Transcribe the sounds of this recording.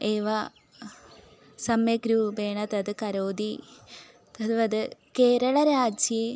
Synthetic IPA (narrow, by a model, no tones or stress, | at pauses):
eːʋɐ | sɐmjɐɡɾubeːɳɐt̪ɐd̪ɨkɐɾoːd̪i | t̪ɐðɨʋɐd̪ɨkeːɾɐɭɐɾaːd͡ʑje